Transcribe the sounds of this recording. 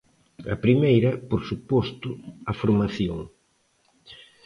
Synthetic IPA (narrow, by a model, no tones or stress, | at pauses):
ɐ̰pɾimejɾɐpoɾsupɔst̪ʊɐfoɾmaθjoŋ